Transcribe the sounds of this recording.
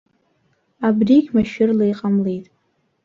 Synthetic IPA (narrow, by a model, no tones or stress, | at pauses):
abriɡʲmaʃᶣɪrlejqʼamlejtʼ